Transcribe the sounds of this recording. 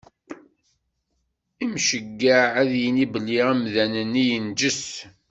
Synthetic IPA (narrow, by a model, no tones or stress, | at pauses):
imʃəɡːaʕæðjənibəlːiʁæmðænənːijənd͡ʒəs